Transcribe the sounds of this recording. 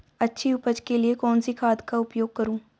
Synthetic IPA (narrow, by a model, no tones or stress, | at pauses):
ɐtːʃʰiʊpəd͡ʒkeliekɔːnsikʰaːd̪kaʊpjoːɡ̚kɐɾũː